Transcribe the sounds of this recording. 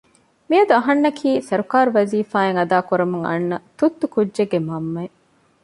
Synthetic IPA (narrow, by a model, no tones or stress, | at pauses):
miɐd̪uɐɦɐnːɐkʰiːsɐɾukaːɾuʋɐziːfaːeŋɐd̪aːkuɾɐmuŋɐ̰nːɐt̪ut̪ːukudːʒeɡːemɐmːɐe